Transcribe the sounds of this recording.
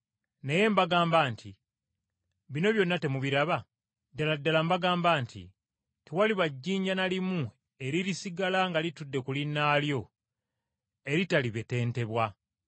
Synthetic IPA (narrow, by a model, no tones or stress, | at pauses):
neje̞mbaɡaːmbaːntʰi | βino̞βjo̞nːate̞muβiɾaβa | daladːalambaɡaːmbaːntʰḭ | tewaliβaɟːiːɲɟanalimu | e̞ɾiɾisiɡalaŋɡalitudːe̞kulinːaːljo̞ | e̞ɾitaliβe̞te̞ːnte̞βwa